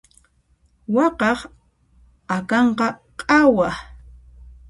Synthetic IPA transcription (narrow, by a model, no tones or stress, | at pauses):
wɑqɑχ | akɑɴqɑqʼɑwa